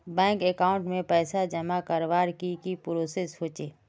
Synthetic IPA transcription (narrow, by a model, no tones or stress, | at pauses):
bɛ̃ːŋkekaːʊ̃ɳʈmẽpɛːsad͡ʒəmakəɾʋaːɾkikipɾoːsesɦoːt͡ʃeː